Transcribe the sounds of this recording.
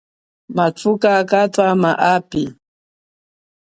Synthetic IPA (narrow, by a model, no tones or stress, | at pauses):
mat͡sukakatamaʔapi